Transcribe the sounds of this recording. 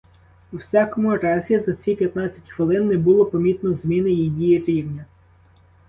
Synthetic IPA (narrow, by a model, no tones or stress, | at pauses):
uwsʲakɔmʊɾɑzʲizɐt͡sʲipʲjɐt̪nat͡sʲːɐ̥tʲxʋɪlˠɪnːɛbʊlˠɔpɐmʲit̪nɔzmʲinɪjijijiɾʲiwnʲɐ